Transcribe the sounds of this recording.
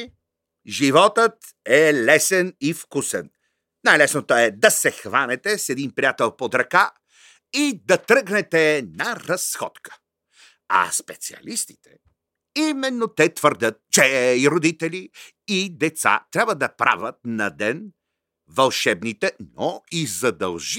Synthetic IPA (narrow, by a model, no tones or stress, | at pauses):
ʒivɔt̪ət̪ | ɛlɛsɛnifkusɛn | najlɛsnot̪oɛd̪ɐsɛxvanɛt̪ɛsɛd̪inpɾijat̪ɛlˠpod̪ɾɐka | id̪ɐt̪ɾɤɡnɛt̪ɛnɐɾɐsxɔ̰t̪kə̥ | ɐ̰spɛt̪siɐ̰list̪i̥t̪ʰɛ̥̰ | imɛnːot̪ɛt̪vəɾd̪ʲət̪̚t͡ʃɛiɾod̪it̪ɛli | id̪ɛt̪sa̰t̪ɾʲabvəd̪ɐpɾa̰vət̪̚nɐd̪ɛn | vɐlˠʃɛbnit̪ɛnoizɐd̪ɐ̰lˠʒi